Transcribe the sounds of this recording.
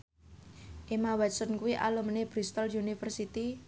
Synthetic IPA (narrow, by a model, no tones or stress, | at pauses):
ʔemawɛt̪sɔnkuwiʔa̰lumneb̥ɾist̪əljunifərsit̪i